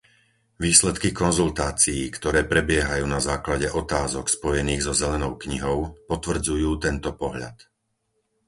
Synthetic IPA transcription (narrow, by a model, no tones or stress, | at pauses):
ʋiːslɛt̪kikɔnzult̪aːt͡sijikt̪ɔɾɛːpɾɛbɪɛɦajuːnazaːklaɟɛʔɔt̪aːzɔkspɔjɛniːɣzɔzɛlɛnɔʊkɲiɦɔʊpɔt̪ʋr̩d͡zujuːt̪ɛnt̪ɔpɔɦʎa̰t̪